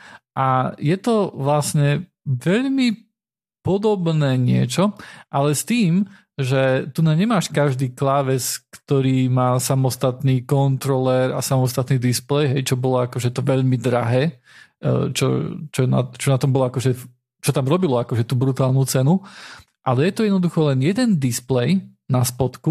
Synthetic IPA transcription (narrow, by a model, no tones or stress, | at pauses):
ʔajɛt̪ɔʋlasɲɛ | ʋɛʎmi | pɔd̪ɔbnɛːɲɪɛt͡ʃɔʔalɛst̪iːm | ʒɛt̪unaɲɛmaːʃkaʒd̪iːklaːʋɛt͡skt̪ɔɾiːmaːsamɔst̪at̪niːkɔnt̪ɾɔlɛɾa̰samɔst̪at̪niːd̪isplɛjɦɛjt͡ʃɔbɔlɔakɔʒɛt̪ɔʋɛʎmid̪ɾaɦɛː | t͡ʃɔ̰t͡ʃɔna̰t͡ʃɔnat̪ɔmbɔlɔakɔʒɛ | t͡ʃɔt̪amɾɔbilɔakɔʒɛt̪uːbɾut̪aːlnut͡sɛnu | ʔalɛjɛt̪ɔjɛd̪nɔd̪uxɔlɛnjɛd̪ɛnd̪isplɛj | naspɔt̪ku